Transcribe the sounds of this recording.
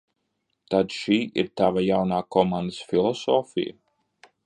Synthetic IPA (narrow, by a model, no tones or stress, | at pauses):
t̪ad̪ʃiːḭɾt̪avajawnaːkɔmand̪əsfilˠɔsɔːfḭjə̰